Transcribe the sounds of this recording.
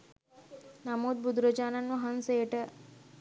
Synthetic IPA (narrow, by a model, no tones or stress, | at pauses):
namuːd̪̚bud̪ɾəd͡ʒaːnɐnːuɦɐnseːʈə